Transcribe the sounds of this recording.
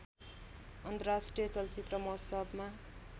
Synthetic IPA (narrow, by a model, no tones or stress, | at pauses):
ʌnt̪ʌrasʈrijʌt͡sʌlt͡sit̪rʌmʌɦsʌbma